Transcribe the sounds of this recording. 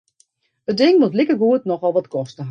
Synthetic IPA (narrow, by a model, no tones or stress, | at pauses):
ət̚dɪŋʋotlɪkəɡuətnɔxɔlˠʋɔtkɔstəɦ